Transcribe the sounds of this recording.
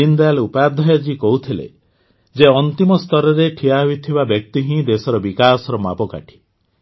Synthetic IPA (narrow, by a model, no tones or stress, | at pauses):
ind̪ajalupad̪ʱɔjad͡ʒikɔɦut̪ʰilḛ | d͡ʒeɔnt̪imɔst̪ɔɾɔɾeʈʰijaɦuit̪ʰibabjɔk̚t̪iɦĩd̪esɔɾɔbikasɔɾɔma̰pɔka̰ʈʰi̥